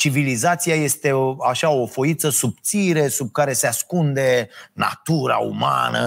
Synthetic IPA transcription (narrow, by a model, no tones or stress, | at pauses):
t͡ʃivilizat̪siaje̞st̪e̞aʃaofo̞it̪səsub̚t̪siɾe̞sub̚kaɾe̞seaskund̪e̞na̰t̪uɾa̰ṵma̰nə̰